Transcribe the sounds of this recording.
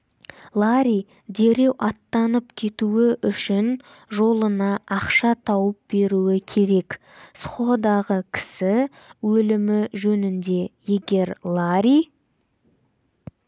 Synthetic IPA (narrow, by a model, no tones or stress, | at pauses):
lˠaɾʲij | d̪e̞ɾe̞wʔɑt̪ːɑnəpkʲʰe̞t̪uɪʔʏʃɪn | ʒo̞lˠənɑʔːqʃɑt̪ʰɑwəp̚be̞ɾuwɪkʲʰe̞ɾe̞k | sχod̪ɑʁəkʲʰɪ̥sɪ | wɵlɪmɪʒɵnɪnd̪e̞je̞ɡʲe̞ɾlˠaɾij